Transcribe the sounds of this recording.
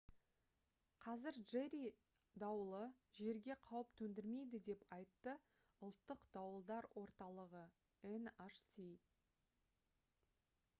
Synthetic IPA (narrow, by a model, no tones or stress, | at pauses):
qʰɑzɪɾʒeɾi | d̪ɑwəlˠə | ʒe̞ɾɡʲe̞qʰɑwəpt̪ʰɵnd̪ɪɾme̞jd̪ɪd̪e̞pɑjt̪ːə | ʊlˠt̪ːəqd̪̥ɑwəlˠd̪ɑɾwʔo̞ɾt̪ɑlˠəʁə | enaʃsi